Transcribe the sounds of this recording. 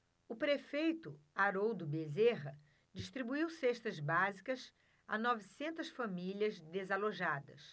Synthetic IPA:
ʊpɾefejt̪ʊaɾowd̪ʊbezeʁɐ | d͡ʒiʃt̪ɾibuiwsɛʃt̪ɐzbazikɐs | anɔvisẽnt̪ɐsfamilʲɐzd̪ezaloʒad̪ɐs

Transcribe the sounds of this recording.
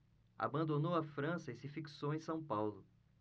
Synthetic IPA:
a̰bɐ̃nd̪onowɐfɾɐ̃sɐisɪfiksowẽj̃sɐ̃w̃pawlʊ

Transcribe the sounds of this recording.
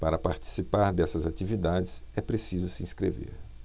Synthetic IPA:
paɾɐpaɾt͡ʃi̥sipaɾd̪ɛsɐzat͡ʃivid̪ad͡ʒɪsɛpɾesizʊsɪĩskɾevḛɾ

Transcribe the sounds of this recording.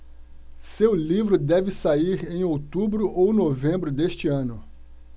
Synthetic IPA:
sewlivɾʊd̪ɛvɪsaiɾẽj̃owt̪ubɾʊʔownovẽmbɾʊd̪eʃt͡ʃɪɐ̃nʊ

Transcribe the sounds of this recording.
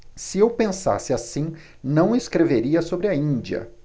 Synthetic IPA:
sɪewpẽsa̰sɪasĩ | nɐ̃w̃ɪskɾeveɾiɐsobɾɪɐĩnd͡ʒiɐ̰

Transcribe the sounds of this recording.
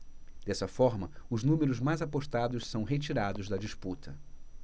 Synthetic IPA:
d̪̥ɛsɐfɔɾmɐʊznũmeɾʊzmajzapoʃt̪ad̪ʊssɐ̃w̃ɦet͡ʃiɾad̪ʊzd̪ɐd͡ʒisput̪ʰɐ

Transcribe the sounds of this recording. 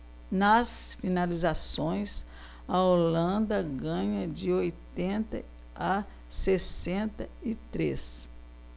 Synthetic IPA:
nɐsfinalizasõj̃s | ɐolɐ̃nd̪ɐɡɐ̃ɲɐd͡ʒɪojt̪ẽnt̪ɐ̰ | ɐ | sesẽnt̪ɐɪt̪ɾes

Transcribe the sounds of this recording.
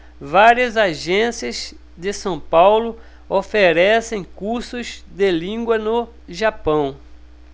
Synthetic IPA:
vaɾiɐzaʒẽsiɐz | d̪ɪsɐ̃w̃pawlʊ | ofeɾɛsẽj̃kuɾsʊzd̪ɪlĩɡwɐnʊ | ʒapɐ̃w̃

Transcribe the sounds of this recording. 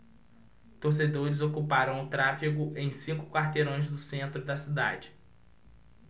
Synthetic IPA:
t̪oɾs̬ed̪oɾɪzokupaɾɐ̃w̃ʊt̪ɾafiɡʊʔẽj̃sĩkʊ̥kwaɾt̪eɾõj̃zd̪ʊsẽnt̪ɾʊd̪ɐsid̪a̰d͡ʒɪ

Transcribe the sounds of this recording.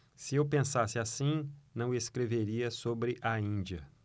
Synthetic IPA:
sɪewpẽsasɪasĩnɐ̃w̃eskɾeveɾiɐsobɾɪʔɐĩd͡ʒiɐ̰

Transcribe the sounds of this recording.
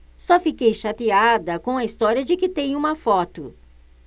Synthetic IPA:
sɔfikejʃat̪iad̪ɐkõw̃ɐist̪ɔɾiɐd͡ʒɪkɪt̪ẽj̃ũmɐfɔt̪ʊ

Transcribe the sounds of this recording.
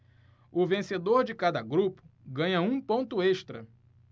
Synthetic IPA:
ʊvẽsed̪oɾd͡ʒɪkad̪ɐɡɾupʊ̥ɡɐ̃ɲɐũpõnt̪ʊeʃt̪ɾɐ

